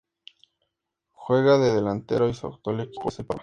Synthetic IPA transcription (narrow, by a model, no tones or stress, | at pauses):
xwe̞ɣaðeðelant̪eɾoisa̰kt̪oleki̥posepa̰